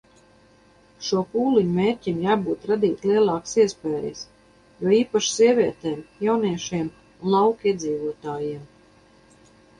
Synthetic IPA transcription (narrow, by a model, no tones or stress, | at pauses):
ʃuɔpuːliɲɔmeːɾcʲimjaːbuːt̪ɾad̪iːt̪ʲliɛlˠɑːksiɛspɛːjḭs | juɔiːpaʃsiɛvʲiɛt̪ɛːmjawniɛʃiɛm | unlˠawkiɛd̪ziːvuɔt̪aːjiɛm